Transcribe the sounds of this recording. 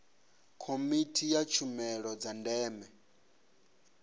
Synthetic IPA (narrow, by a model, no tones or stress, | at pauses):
kʰomitʰijat͡ʃʰumɛɺɔd͡zandɛːmɛ